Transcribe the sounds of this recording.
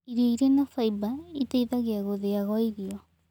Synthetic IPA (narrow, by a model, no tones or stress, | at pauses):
iɾeiɾenafaibait̪eiðaɣeaɣoðeaɣɔiɾio